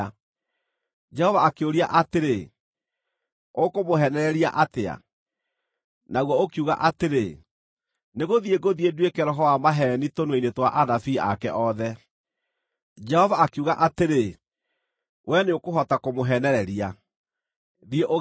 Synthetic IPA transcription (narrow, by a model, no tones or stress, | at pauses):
d͡ʒɛhɔvaakeoɾiaʔateɾe | okomoɦɛnɛɾɛɾia̰ʔatea̰ | naɣwɔokiuɣa̰ʔateɾe | neɣoðieɡoðieduekɛɾɔɦɔwamaɦɛnitonweinetwaʔanafiːa̰kɛʔɔðɛ | d͡ʒɛhɔvaːkeuɣaʔateɾe | wʔɛneokoɦɔtakomoɦɛnɛɾɛɾia | ðieʔo